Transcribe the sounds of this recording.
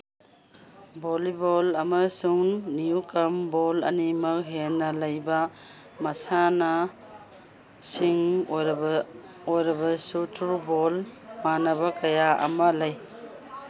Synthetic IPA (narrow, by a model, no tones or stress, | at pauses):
bolibolɐmɐsuŋnijukɐmbɔlɐ̰nimɐk̚ɦenːɐlɐjbɐ | mɐsanɐ | siŋojɾ | ojɾɐbɐsutɾubolmanɐβɐkɐjaʔɐ̰mɐlɐj